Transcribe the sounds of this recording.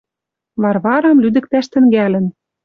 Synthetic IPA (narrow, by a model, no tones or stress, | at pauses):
βɑrβɑɾɑmlyd̪ɘ̆k̚t̪æʃt̪ɘ̆ŋɡælɘ̆n